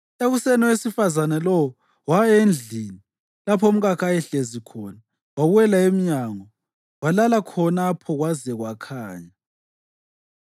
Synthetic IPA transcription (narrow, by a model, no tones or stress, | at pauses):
eɣusɛnɔwesifazanɛlɔwɔ | waend͡ɮʱini | lapʰom̩ɣakʰajɛɬezikʰɔna | waβuɛlaem̩ɲaŋɔ | walalakʰɔnapʰɔɣwazɛɣwakʰaːɲa